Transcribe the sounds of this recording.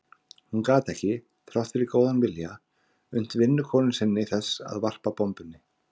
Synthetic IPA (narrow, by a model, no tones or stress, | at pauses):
hunkaːt̪ɛhcɪ | θɾawht̪fɪɾɪkoːwðanvɪlja | ʏn̥t̪vɪnːʏkʰɔːnʏmsɪnːɪθɛsːa̰ðvar̥papɔmpʏnːɪ